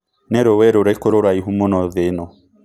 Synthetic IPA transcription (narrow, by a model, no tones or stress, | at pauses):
nɛɾowɛɾoɾakoɾoɾaiɦumonɔðenɔ